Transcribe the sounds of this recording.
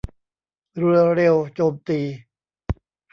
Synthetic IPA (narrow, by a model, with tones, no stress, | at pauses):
ɾɯ˧ɐɾe˧wt͡ɕoː˧mt̪iː˧˩